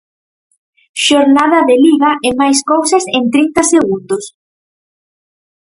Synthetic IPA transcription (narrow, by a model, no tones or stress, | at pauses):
ʃoɾnað̞ɐðeliɣaʔemajskowsasent̪ɾint̪ɐseɣund̪ʊs